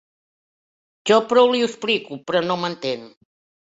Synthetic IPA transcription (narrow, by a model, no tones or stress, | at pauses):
ʒɔpɾɔwliəsplikupɾɔnomənt̪en